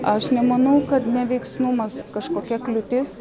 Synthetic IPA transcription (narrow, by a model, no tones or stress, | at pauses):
ɐʃnʲɛmɐnɐʊkɐt̪nʲɛʋʲɛɪksnʊmɐskɐʃkoːkʲɛklʲʊt̪ʲɪs